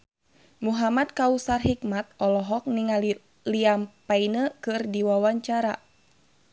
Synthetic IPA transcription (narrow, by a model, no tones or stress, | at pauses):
muɦamad̪̚kausarɦik̚mat̪̚ɔlɔɦɔk̚niŋal | liampainəkɨrdiwawaɲt͡ʃaɾa̰